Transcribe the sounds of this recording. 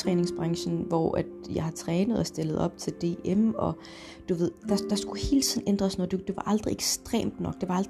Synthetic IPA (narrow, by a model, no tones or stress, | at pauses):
ʁɛːne̝ŋsb̥ʁɑ̈ŋɕn̩ʋɒ̰ʔæd̥jɑ̈ɪhɑ̈t͡sʰʁɛːnəð̞̩ˠɒsd̥e̝lð̞̩ˠɒ̽b̥̚t͡sʰe̝ld̥e̝̰ːemɒ̽ | d̥uʋe̝ð̞̰ˠd̥ɑ̈d̥ɑ̈sɡ̥uhe̝ːlt͡sʰið̰ˠn̩ʔend̥ʁɐsnɒd̥ud̥e̝ʋɑ̈ʔɑ̈ld̥ʁieɡ̥sd̥ʁḛːmd̥nɒ̽ɡ̥̚d̥e̝ʋɑ̈ɑld̥